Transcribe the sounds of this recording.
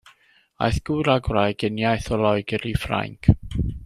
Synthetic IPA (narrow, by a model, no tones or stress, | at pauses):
a̰jθɡ̥uɾaɡwrajɡ̥ɪnjajθɔlˠɔjɡəɾifra̰ŋkʰ